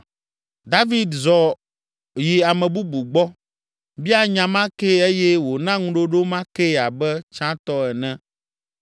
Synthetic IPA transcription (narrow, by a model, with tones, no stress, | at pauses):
d̪a˦vi˦d̪zɔ˨ | ji˨a˨mɛ̃˨bu˦bu˨ɡ͡bɔ˦ | bi˦a˦ɲã˨mã˦ke˦e˦jɛ˦wo˨nã˦ŋũ˦ɖo˦ɖo˦mã˦kɛ˦˨a˨bɛ˦t͡ʃã˦t̪ɔ˦ɛ˨nɛ̃˦